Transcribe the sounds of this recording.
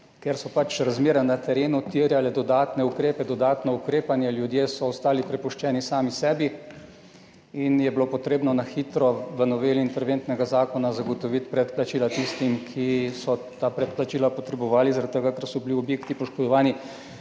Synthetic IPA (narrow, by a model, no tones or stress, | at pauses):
keɾsɔpat͡ʃɾazmeːɾanat̪ɛɾeːnut̪iɾjalɛd̪ɔd̪aːt̪nɛukɾeːpɛd̪ɔd̪aːt̪nɔukɾeːpanjɛljud̪jeːsɔːst̪aːlipɾɛpuʃt͡ʃɛːnisaːmisɛːbi | injɛbilopɔt̪ɾeːbnɔnaxiːt̪ɾɔʋənɔʋeːliint̪ɛɾʋeːnt̪nɛɡazaːkɔnazaɡɔt̪ɔʋit̪pɾɛt̪plat͡ʃiːlat̪ist̪imkʰisɔt̪aːpɾɛt̪plat͡ʃiːlapɔt̪ɾɛbɔʋaːlizaɾat̪t̪ːəɡakəɾsɔbiliɔbjekt̪ipɔʃkɔd̪ɔʋaːni